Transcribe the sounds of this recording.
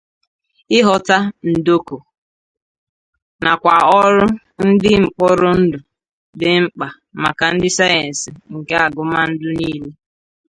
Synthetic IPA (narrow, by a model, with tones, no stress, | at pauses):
ɪ˦ɦɔ˨ta˦n̩˨do˦ko˨ | na˨kʷa˨ɔ˦ɾʊ˦ | n̩˦dɪ˦ŋ͡m̩˨k͡pɔ˦ɾʊ˦n̩˦dʊ˨ | dɪ˦ŋ͡m̩˦k͡pa˨ | ma˨ka˨n̩˦dɪ˦sa˦je˨n̩˨sɪ˨ŋ̩˨ke˦a˨ɡʊ˨ma˦n̩˦dʊ˦niː˦le˦